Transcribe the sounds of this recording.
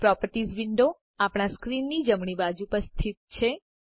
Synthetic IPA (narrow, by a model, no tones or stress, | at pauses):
pɾɔpəɾʈizʋiɳɖo | apɽ̃askɾinːid͡ʒəmɳibad͡ʒupəst̪ʰit̪̚t͡ʃʰe